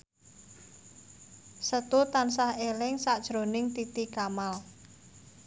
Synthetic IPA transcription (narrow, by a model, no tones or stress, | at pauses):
sət̪ut̪ansahelɪŋsaʔd̥ʒ̥ɾonɪŋt̪it̪ikamal